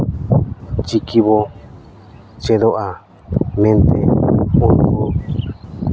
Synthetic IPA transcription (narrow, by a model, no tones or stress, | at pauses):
t͡ʃikiβo | t͡ʃeðoʔa | nẽnt̪ḛoɾuo